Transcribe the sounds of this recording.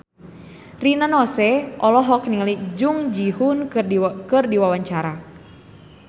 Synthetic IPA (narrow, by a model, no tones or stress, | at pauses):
rinanɔsɛʔɔlɔɦɔknilid͡ʒuŋd͡ʒiɦunkɨrdiwawaɲt͡ʃaɾa